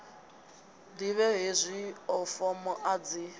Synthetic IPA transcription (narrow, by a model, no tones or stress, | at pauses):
diβɛɦezʷiɔfɔmɔʔad͡zi